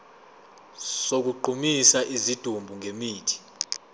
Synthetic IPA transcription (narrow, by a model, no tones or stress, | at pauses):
sok̬uǃʱumisaʔizid̥ʱumbʱuŋʱemiːtʰi̥